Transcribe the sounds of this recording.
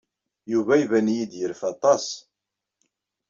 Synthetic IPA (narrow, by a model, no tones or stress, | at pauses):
juvæivænjid̪jəɾfɑt̪ˤɑs